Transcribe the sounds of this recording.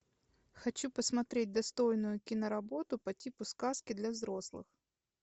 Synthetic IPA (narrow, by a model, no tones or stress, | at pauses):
xɐt͡ɕupɐsmɐt̪ɾʲɛt̚ʲd̪ɐst̪ɔjnʊjʊkʲinɐɾɐbɔt̪ʊpɐtʲipʊskɑskʲɪd̪lʲɐvzɾɔslˠɪ̰x